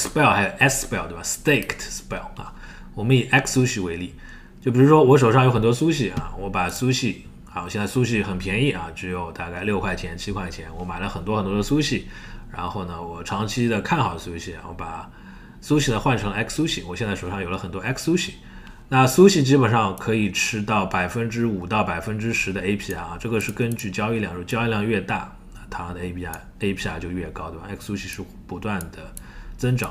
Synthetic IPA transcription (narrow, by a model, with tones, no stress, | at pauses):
spɛ˥˩lxa˧˥jo˨˩ʊʔɛ˥kspɛ˥˩t̪e˥˩ba˨˧˩st̪e˥˧ɪktʰspɛ˥˩la̰˧ | wɔ˨˩mə˦ni˨˩ʔɛ˥ksu˥ɕi˥˩we˧˥ɪli˥˩ | t͡ɕjo˥˩ʊpi˨˩ɻu˧˥ʂwɔ˥wɔ˧˥ʂ̬o˨˩ʊʂɑ˥˩jʊxə˨˩nt̪wɔ˥su˥ɕi˥˩a̰˨˩wɔ˧˥pa˨˩su˥ɕi˥˩ | a˧˩wɔ˨˩ɕɛ˥˧nt͡sa˥˩su˥ɕi˥˩xə˨˩npʰjɛ˧˥ni˥˩a˩ʈ͡ʂɻ̩˧˥jo˧ʊt̪a˥˧ka˥˧ɪljo˥˧ʊkʰwa˥˩t͡ɕʰjɛ˧˥nt͡ɕʰi˥kʰwa˥˩t͡ɕʰjɛ˧˥nwɔ˧˥ma˨˩ɪlə˦xə˨˩nt̪wɔ˥xə˨˩nt̪wɔ˥d̪ə˧su˥ɕi˥˩ | ɻa̰˧˥nxo˥˩ʊnə˩wɔ˨˩ʈ͡ʂʰɑ˧˥ŋt͡ɕʰi˥d̪ə˨kʰa˥˩nxɑ˨˩ʊd̪ə˧su˥ɕi˥˩a̰˨˩wʔɔ̰˧˥pa˨˩ | su˥ɕi˥˩d̪ə˨˩xwa˥˩nʈ͡ʂʰɤ˧˥ŋə˧ɛ˥kʰsu˥ɕi˥˩wɔ˨˩ɕɛ˥˧nt͡sa˥˩ʂo˨˩ʂɑ˥˩ŋjo˨˩ʊlə˦xə˨˩nt̪wɔ˥ɛ˥kʰsu˥ɕi˨˩ | na˥˧su˥ɕi˥˩t͡ɕi˥pə˨˩nʂɑ˥˩ŋkʰɤ˧˥i˨˩ʈ͡ʂʰɻ̩˥t̪ɑ˥˩ʊpa˨˩ɪfə˥nʈ͡ʂɻ̩˥u˨˩t̪ɑ˥˩ʊpa˨˩ɪfə˥nʈ͡ʂɻ̩˥ʂɻ̩˧˥d̪ə˧e˥ɪpʰi˥˩a˥˩˨ʈ͡ʂɤ˥˩ɡə˩ʂɻ̩˥˩kə˥nt͡ɕy˥˩t͡ɕjɑ˥ʊi˥˧ljɑ˥˩ŋ˧˥t͡ɕjɑ˥i˥˧ljɑ˥˧ŋɥɛ˥˧t̪a̰˥˩ | na˥˩t̪ʰa˥˩d̪ə˩˧e˥pʰi˧˥a̰˧ | e˥ɪpʰi˥a˨˩t͡ɕjo˥˧ʊɥɛ˥˩kɑ˥ʊt̪ɛ˥kʰsu˥ɕi˥˧ʂɻ̩˥˩ | pu˧˥t̪wa˥˩nd̪ə˩ | t͡sə˥nʈ͡ʂɑ˨˩˦